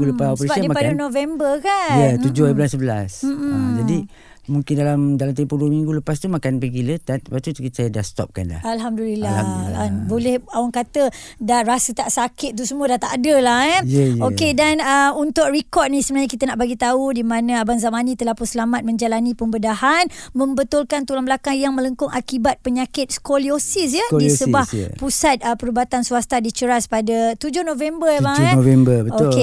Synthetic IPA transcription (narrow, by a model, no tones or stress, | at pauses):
ɡuləpaospəɾasədaimpadanovɛmbərkajət̪ud͡ʒʊhəbəlasːəbəlasm̩m̩əd͡ʒadi | muŋkɪndalamdalamt̪ɛmpuduəmĩŋɡuləpast̪umakanpakilət̪at̪pat̪usajadahst̪ɔ̰p̚ka̰nla̰alɦamdulilaabolɛhawaŋkat̪ə | daɾasət̪aʔsakɪt̪̚ːusəmuədat̪aʔadəlahɛjəjokedanəunt̪ʊk̚rikɔt̪̚nĩsəmənaɲakit̪ənaʔbaɡit̪audimanãabanzamanĩt̪əlahpunsəlamat̪̚mə̃ɲd͡ʒalanĩpəmbədahanmə̃mbət̪ʊlkant̪ulambəlakaŋjaŋmə̃ləŋkʊŋʔakibat̪̚pəɲakɪt̪̚skoliosis̬jəddisəbahpusat̪̚əpəɾubat̪ansuast̪adit͡ʃəɾaspadət̪ud͡ʒʊhnovɛmbəlavɛmbəbəoke